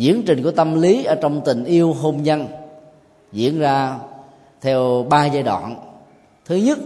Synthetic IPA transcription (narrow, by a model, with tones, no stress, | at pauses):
zḭ˧˥ənt͡ɕï˨˩ŋ̟ku˧˩ət̪ə˧mli˨˦ʔəː˧˩t͡ɕɔ˧wŋ͡mt̪ï˨˩ŋ̟ʔi˧əwɦo˧mɲa˧n | zḭ˧˥ənzaː˧ | t̪ʰɛ˧wɓaː˧zaː˧jɗwa̰ː˧˨n | t̪ʰɨ˨˦ɲə˦˥t̚